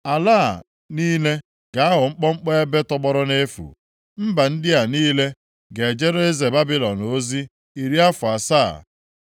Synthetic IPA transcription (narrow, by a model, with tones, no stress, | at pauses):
a˨laː˦˨ | niː˦le˦ | ɡ̥a˨a˦ɦʊ˨ŋ͡m̩˦k͡pɔ˦ŋ͡m̩˦k͡pɔ˦e˦be˦tɔ˦k͡pɔ˦ɾɔ˦ne˦fṵ˨ | m̩˦ba˨n̩˦dɪ˦a˨niː˦le˦ | ɡe˨d͡ʒe˦ɾo˦e˦ze˨ba˦bi˦lɔ˨no˦zi˦ | i˨ɾi˦a˦fʊ˨a˨sa˦˨